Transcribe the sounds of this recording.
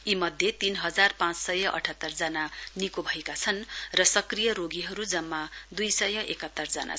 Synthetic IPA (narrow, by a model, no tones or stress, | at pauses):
imʌd̪ʱjet̪inɦʌd͡zarpãt͡ssʌjʌʔʌ̰ʈʰʌt̪ːʌrd͡zʌnanikobʱʌekat͡sʰʌnrʌsʌkrijʌɾoɡiɦʌɾud͡zʌmːad̪ujsʌjʌʔekʌt̪ːʌrd͡zʌna̰